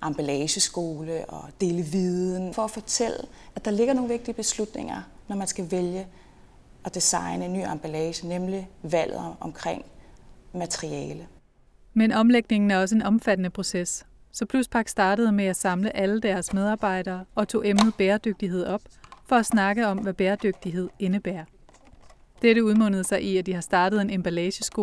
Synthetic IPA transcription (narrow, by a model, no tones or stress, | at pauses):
ʔɑ̈mb̥ælɛːɕəsɡ̥o̝ːləʔɒ̽d̥e̝ːləʋiðˠn̩fɒ̽æfɒ̽t͡sʰel̰əʔæd̥ɑ̈le̝ɡ̥ɐno̝ːŋn̩ʋe̝ɡ̥̚d̥iəb̥e̝slud̥nḛŋ̰ɐnɒmænsɡ̥æʋeljə | ʔɒ̽d̥isɑ̈ɪnəenːy̰ːɑmb̥ælɛːɕənemliʋæl̰ð̩̰ˠʔɒ̽mkʰʁeŋ̰mæt͡sʰəʁiɛːlə | menɒ̽mleɡ̥̚ne̝ŋn̩æɐɒ̽səe̝nɒ̽mfæd̥ənəpʰʁo̝ses | sɒ̽pʰluspʰɑ̈ɡ̥sd̥ɑ̈ːɾ̥əð̞̩ˠəmeæsɑ̈mləʔæləd̥æɐsmeð̞ˠɑ̈ːb̥ɑ̈ɪ̰ɾ̥ɐːɒ̽t͡sʰo̝̰ːemnð̞̩ˠb̥eːɐd̥øɡ̥̚d̥iɦe̝ð̞̰ˠɒ̽b̥̚fɒ̽æsnɑ̈ɡ̥əɒ̽mʋæb̥eːɐd̥øɡ̥̚d̥iɦe̝ð̞̰ˠe̝nəb̥æːɐ̰ | d̥eɾəuð̞ˠmɔ̽n̰əð̞̩ˠsɑ̈ɪʔiæd̥ihɑ̈sd̥ɑ̈ːd̥ð̩ˠe̝nemb̥ælɛːɕəsɡ̥o̝ː